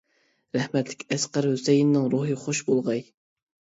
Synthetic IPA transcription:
ɾɛhmɛt̪lɪkʲɛsqɑɾhusɛjinːɨŋɾoɦɨχoʃbolˠʁɑj

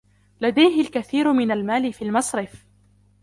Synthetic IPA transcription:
lad̪ajɦɪlkaθiːɾmɪnalmaːlɪfiːlmɑsˤɾɪf

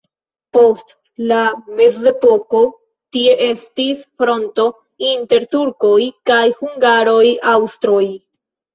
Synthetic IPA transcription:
po̞st | lame̞zde̞po̞ko̞ | tie̞ʔe̞stisfɾo̞nto̞ | inte̞ɾtuɾko̞jkajhuŋɡaɾo̞jawstɾo̞j

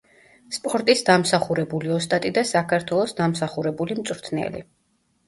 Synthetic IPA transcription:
spʼɔɾt̪ʼisd̪amsaχuɾɛbuliɔst̪ʼat̪ʼid̪asakʰaɾt̪ʰwɛlˠɔsd̪amsaχuɾɛbulimt̪sʼɾt̪ʰnɛ̰lḭ

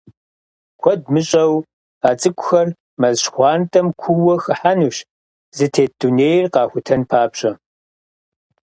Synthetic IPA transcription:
kʷʰɔd̚mɨɕʼɐw | aːt͡sʼɨkʷʼʊxɐr | mɐzɕxʷɑːntʼɐmkʷʰuwɐxɨħanuɕ | zɨtʰeːduneːjrqɑːxʷʊtʰɐnpʰaːpɕʼɐ

